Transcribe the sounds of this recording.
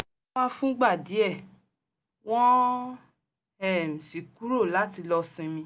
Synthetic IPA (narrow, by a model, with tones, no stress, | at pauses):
ã˦fũ˦ɡ͡ba˦˨di˨˦ɛ˦˨ | w̃ɔ̃˦ | ɛ˦˨m̩˨si˨ku˨˦ɾo˦˨la˨˦ti˧lɔ˧sĩ˧mĩ˧˦